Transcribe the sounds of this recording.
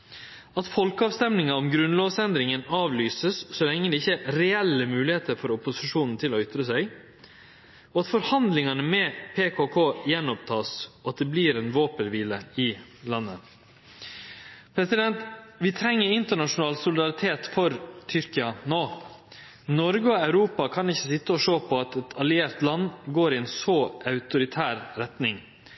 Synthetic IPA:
ɑt̪fɔlkəɑːʋst̪ɛmnɪŋɑɔmɡɾʉnloːʋsɛnd̪ɾɪŋənɑːʋlyːsəssɔlɛŋːəd̪ɛɪçːəɾɛɛlːəmʉːlɪheːt̪əɾfɔɾʊpʊsɪʂuːnn̩t̪ʰɪlɔʏt̪ɾəsæɪ | ɔɑt̪fɔɾhɑnd̪lɪŋɑnəmɛpʰeːkʰokʰoːjɛnːɔp̚t̪ʰɑːsɔɑt̪̚d̪ɛbliːɾɛnʋoːpənʋiːləɪlɑnːə | pʰɾɛsɪd̪ɛnt̪ʋɪt̪ʰɾɛŋːəɾɪnt̪əɳɑʂʊnɑːlsʊlɪd̪ɑɾɪt̪ʰeːt̪fɔɾt̪ʰʏɾkɪɑnoː | nɔɾɡəɔɑʉɾuːpɑkʰɑnɪçːəsɪt̪ːəɔʂoːpʰɔɑt̪ɛt̪ʰɑlɪeːɾt̪lɑnːɡoːɾɪɛːnsoːʔɑʉt̪ʊɾɪt̪ʰæːɾɾɛt̪nɪŋ

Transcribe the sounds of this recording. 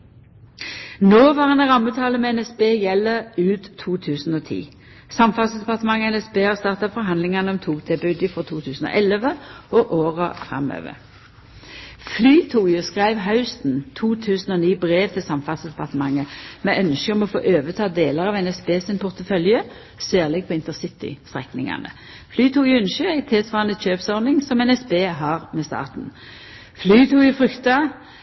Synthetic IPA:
noːʋɑːʁenʁɑmːət̪ʰɑːləmɛɛnɛsbeːjɛlːəʁʉːt̪ʰːuːt̪ʰʉːsn̩oːt̪ʰḭː | sɑmfɑsəd̪ɛpɑʁt̪əmɑŋəɛnɛspeːhɑʁst̪ɑʁt̪ɑfɔɾɦɑnd̪lɪŋɑnəɔmt̪ʰuːɡt̪ʰɛbʉd̪ɪfʁɔt̪ʰuːt̪ʰʉːsn̩o̰ʔɛləʋəɔʔoːʁəfʁɑ̰mø̰ːʋə̰ʁ | flyːt̪ʰuːjəskʁæɪʋɦɑʉst̪n̩t̪ʰuːt̪ʰʉːsn̩ɔːniːbʁeːʋt̪ʰɪlsɑmfɑt̪sd̪ɛpɑʁt̪əmɑŋːəmɛœnʃkəɔmɔfo̰ːʔøːʋət̪ʰɑːd̪eːləʁɑʋɛnɛsbeːsɪnpʊʁt̪əfœljə | sæːʁlɛɡ̚pʰɔɪnt̪əsɪt̪ɪ̰st̪ʁɛknɪŋɑ̰nə̰ | flyːt̪ʰuːɡjʉnʃøæɪt̪ʰesʋɑːɑnəc͡çøːpsɔʁnɪŋsɔmɛnɛsbeːɦɑːʁmɛst̪ɑ̰ːʁt̪n̩ | flyːt̪ʰuːɡjʊfʁʏkt̪ɑ

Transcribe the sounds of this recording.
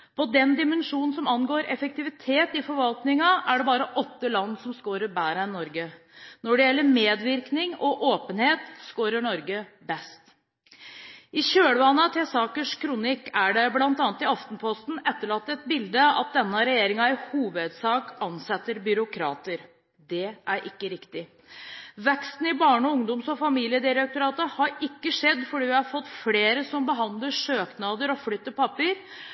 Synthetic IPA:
pʰɔd̪ɛnd̪ɪmɛnʂuːnn̩sɔmɑnɡoːɾɛfək̚t̪ɪʋɪt̪ʰeːt̪ɪfɔɾʋɑlt̪nɪŋɑʔæɖɛbɑːɾəʔɔt̪ːəlɑnːsɔmskoːɾəɾbæːɾənːɔɾɡə | nɔɖɛjɛlːəmeːd̪ʋɪɾknɪŋɔʔoːpənheːt̪skoːɾəɳɔɾɡəbɛst̪ | ɪɕøːɽəʋɑnːət̪ʰɪlsɑːkəʂkʰɾʊnɪkːæɖɛblɑnt̪ɑːnt̪ɪɑft̪n̩pʰɔst̪n̩ɛt̪ːəɭɑt̪ːɛt̪̚bɪld̪əɑ̰t̪̚d̪ɛnːəɾɛjeːɾɪŋɑɪhuːʋəd̪sɑːkɑnsɛt̪ːəɾbʏɾʊkʰɾɑ̰ːt̪əɾ | d̪ɛʔæɾʔɪkːəɾɪkt̪ɪ | ʋɛkst̪n̩ɪbɑːɳəɔʊŋd̪ʊmsɔfɑmiːlɪəd̪ɪɾɛk̚t̪ʊɾɑːt̪əhɑɾɪkːəʂɛd̪fɔɖiːʋɪhɑɾfɔt̪ːfleːɾəsɔmbəɦɑnd̪ləʂøːknɑd̪əɾɔflʏt̪ːəpʰɑpːəɾ

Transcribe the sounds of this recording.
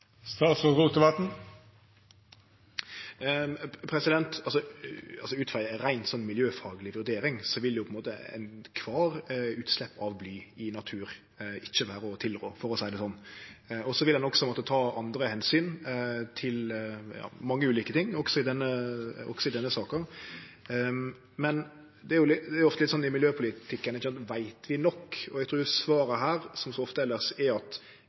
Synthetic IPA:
st̪ɑːt̪sɔʁuːt̪əʋɑt̪n̩ | pʰɾɛsɪd̪ɛnt̪ɑlsɔɑlsɔʉːt̪fɑɾæɪnsɔnːmɪljøːfɑːɡlɪʋʉd̪eːɾɪŋsɔʋɪljʊpʰɔɪnmoːt̪əæ̰ɪnkʰʋɑːɾʉːt̪slɛpːɑʋblyːɪnɑt̪ʰʉːɾ | ɪt͡ʃːəʋæːɾəɔt̪ʰɪlɾoːfɔɾɔsæɪd̪ɛsɔnːɔsɔʋɪld̪ɛnɔksɔmɔt̪ːət̪ʰɑːʔɑnd̪ɾəhɛnsyːnt̪ʰɪljɑ̰ːmɑŋːəʉːliːkət̪ʰɪŋːɔksɔɪd̪ɛnːəɔ̰ksɔɪd̪ɛnːəsɑːkə | mɛn | d̪ɛæɾjʊlɪd̪ɛæɾjʊɔft̪əlɪt̪sɔnːɪmɪljøːpʰʊlɪt̪ʰɪkːənɪçːəsɑnt̪ʋæɪt̪ʰʋɪnɔkːɔɛɡt̪ʰɾʉːjʊsʋɑːɾəɦæːɾsɔmsɔɔft̪əɛlːəʁsɛɑt̪

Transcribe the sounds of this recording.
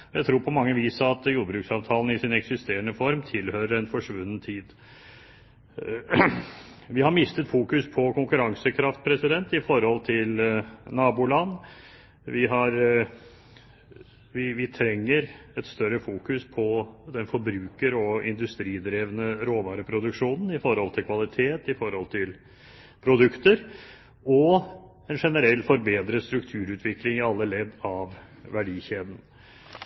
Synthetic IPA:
ɔjæɪt̪ʰɾuːɾpʰɔmɑŋːəʋiːsəɑt̪juːd̪bɾʉːksɑːʋt̪ʰɑːln̩ɪsɪnɛksɪst̪eːɾəɳəfɔɾmt̪ʰɪlhøːɾəɾɛnfɔʂʋʉnːənt̪ʰiːd̪ | ʋɪhɑɾmɪst̪ət̪fuːkʉspʰɔkʰʊŋkʉɾɑŋsəkʰɾɑft̪̚pʰɾɛsɪd̪ɛnt̪ɪfɔɾhɔlt̪ʰɪlnɑːbuːlɑnː | ʋɪɦɑɾ | ʋɪʋɪt̪ʰɾɛŋːəɾɛt̪st̪œɾəfuːkʉspʰɔd̪ɛnfɔɾbɾʉːkəɾɔɪ̰nd̪ʉst̪ɾiːd̪ɾeːʋənəɾoːʋɑːɾəpʰɾʊd̪ʉkʂuːnn̩ɪfɔɾhɔlt̪ʰɪlkʰʋɑlɪt̪ʰeːt̪ɪfɔɾhɔlt̪ʰɪl | pʰɾʊd̪ʉkt̪əɾ | ɔ | ɛnʂɛnəɾɛlːfɔɾbeːd̪ɾəst̪ɾʉkt̪ʰʉːɾʉːt̪ʰʋɪklɪŋɪɑlːəlɛd̪ːɑʋ | ʋæɖiːçeːd̪n̩

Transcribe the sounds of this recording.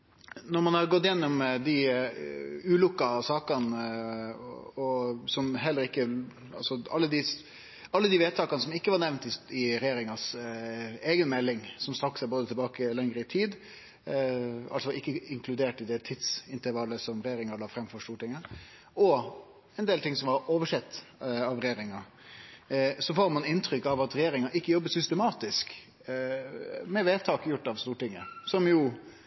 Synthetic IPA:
nɔɾmɑnhɑɾɡɔt̪ːjɛnːɔmd̪ɪ | ʉːlʊkːɑsɑːkɑn | ɔsɔmɦɛlːəɾɪkːə | ɑ̰lsɔɑ̰lːəd̪ɪ | ɑlːəd̪ɪʋeːt̪ʰɑːkɑnəsɔmɪkːəʋɑɾnɛʋnt̪ɪɪɾɛjeːɾɪŋɑs | eːɡənmɛlːɪŋsɔmst̪ɾɑksæboːd̪ət̪ʰɛlbɑːkəlɛŋɾəɪt̪ʰiːd̪ | ɑ̰lsɔɪkːəɪŋkʰlʉd̪eːʈɪd̪ɛt̪ʰɪt̪sɪnt̪əɾʋɑlːəsɔmɾɛjeːɾɪŋɑləfɾɛmfɔɾst̪uːʈɪŋːə | ɔ | ɛnd̪eːlt̪ʰɪŋsɔmʋɑɾoːʋəʂɛt̪ːɑʋɾɛjeːɾɪŋɑ | sɔfoːɾmɑnɪnt̪ʰɾʏkːɑʋɑt̪ɾɛjeːɾɪŋɑʔɪkːəjɔbːəsʏst̪ɛmɑːt̪ɪsk | mɛʋeːt̪ʰɑːkjʊʈːɑʋst̪uːʈɪŋːə̰sɔmjʊ

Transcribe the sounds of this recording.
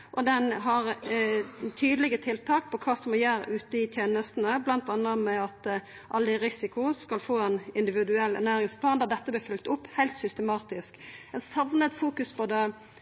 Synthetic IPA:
ʔɔd̪ɛnɦɑɾ | t̪ʰyːd̪əlɪɡət̪ʰɪlt̪ʰɑːk̚pʰɔkʰɑːsɔmɔjæːɾ̰ʔʉːt̪əɪt̪ʰjeːnəst̪n̩əblɑnt̪ɑnːəmɛɑt̪ | ʔɑld̪ɪɾɪsɪkʊskɑlfoːɛnɪnd̪ɪʋɪd̪ʉɛlːɛ̰ɾnæːɾɪŋspʰlɑːnd̪ɑːd̪ɛt̪ːəblɪːfʏlt̪ʊpːhæɪlt̪sʏst̪əmɑːt̪ɪskɛt̪sɑʋnət̪fuːkʉspʰɔd̪ɛ

